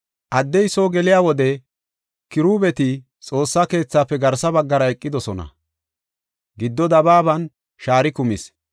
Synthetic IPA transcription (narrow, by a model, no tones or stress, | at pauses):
ʔɐd̪ːɛjsoːɡɛlɪjaːwɔd̪ɛ | kɪɾuːbɛt̪ɪ | t͡sʼo̞ːsːake̞ːt͡sːaːpːɛɡɐɾsɐbɐɡːɐɾɐɛkʼːɪd̪ɔsɔnɐ̰ | ɡɪd̪ːɔd̪ɐbaːbɐn | ʃaːɾɪkʊmɪs